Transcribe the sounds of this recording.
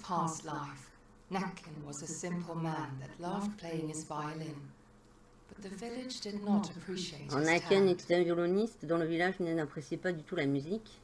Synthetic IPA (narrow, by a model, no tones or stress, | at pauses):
pʰæstˡlaɪf | nækʰɨ̃nwʌzɨsɪ̃mpʰl̩ˠmæ̃nðɨtˡlʌvd̚pʰl̥eɪɪ̃ŋɨzvaɪɨlɪ̃n | b̥ʌt̪̚ðɨvɪlˠɪd͡ʒdɨdⁿnəɾɨpʰɹ̥iʃieɪtɑ̃nakɛnɛt̪ɛt̪ɛ̃vjɔlɔnist̪d̪ɔ̃ləvilaʒnənapχesjɛpad̪yt̪ulamyzik